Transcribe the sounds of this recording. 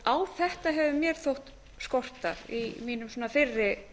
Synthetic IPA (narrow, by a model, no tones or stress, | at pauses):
awθɛht̪aɦɛvɪmjɛɾ̥θowht̪ | skɔr̥t̪a̰ɾ̥imiːnʏmsɔːnafɪrːɪ